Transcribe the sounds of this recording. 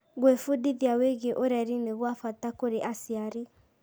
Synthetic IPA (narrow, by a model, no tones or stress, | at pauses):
ɣwefudiðiaweɣeʔoɾɛɾineɣwafatakoɾeʔasiaɾi